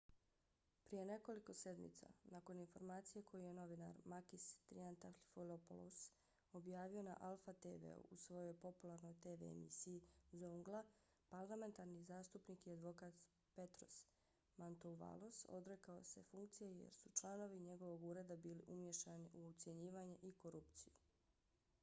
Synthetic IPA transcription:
pɾije̞ne̞ko̞liko̞se̞d̪mḭt̪sa̰nako̞ninfo̞ɾmaːt̪sije̞kʰo̞juje̞no̞ʋina̰ɾmakist̪ɾḭant̪affolopo̰lo̰s | o̞bjaːʋio̞na̰ʔalˠfat̪eʋḛṵusʋo̞jo̞jpo̞pulˠaɾno̞jt̪eːʋḛmḭsijizoŋɡlˠa | paɾlˠame̞nt̪aɾnizaːst̪upniːkiad̪ʋo̞kaːt̪ | pe̞t̪ɾo̞̰s | mant̪oʋa̰lˠoso̞̰d̪ɾe̞kao̞se̞fuŋk̚t̪sijeje̞̰ɾsut͡ʃlˠano̞ʋiɲe̞ɡo̞ʋo̞ɡuːɾe̞d̪abiːliʔumje̞ʃtaniʔuut̪sje̞ɲiːʋaɲeʔiko̞ɾupt̪siju

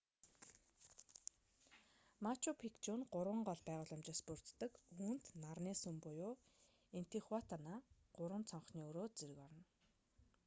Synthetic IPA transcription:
mat͡ɕʰupʰikt͡ɕunɢʊɾwə̆ɴɢɔɮpæːʁʊːɮʊ̆mt͡ɕɪ̆spur̥t͡st̪ə̆kuːnt̪narniːsumpʊjʊː | en̥t̪ʰeχwat̪ʰanaːɢ̥ʊɾwə̆nt͡sʰɔɴχniːɵɾoːt͡seɾɘ̆kɔɾɞ̆n

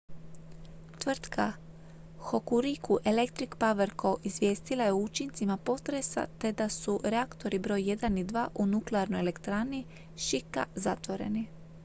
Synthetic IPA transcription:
t̪ʋr̩t̪kʰa | xo̞kuɾikuʔe̞le̞kt̪ɾikpaʋeɾko̞ʔizʋje̞ːst̪ilˠajeut͡ʃint̪simapo̞t̪ɾe̞sa̰t̪e̞d̪asuɾeakt̪o̞ɾibɾo̞ːjːe̞d̪anid̪ʋaːʔunukleaɾnojele̞kt̪ɾani | ʃika̰zat̪ʋo̞ɾe̞̰ni

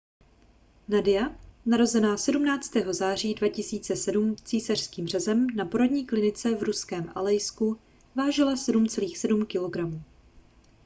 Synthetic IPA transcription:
nadɪjanaɾo̞zɛnaːsɛdumnaːt͡st̪ɛːɦo̞zaːr̝iːdvacɪsiːt͡sɛsɛdumt͡siːsar̝̥skiːmr̝̥ɛzɛmnapo̞ɾodɲiːklɪnɪt͡sɛvɾuskɛːmʔa̰lɛjsku | vaːʒɪlasɛdumt͡sɛliːxsɛdumkɪlo̞ɡɾamuː

